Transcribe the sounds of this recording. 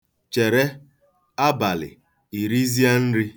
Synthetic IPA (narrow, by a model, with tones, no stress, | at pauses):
t͡ʃe˨ɾe˦ | a˦ba˨lɪ̰˨ | i˨ɾi˦zi˦a˦n̩˦ɾi˦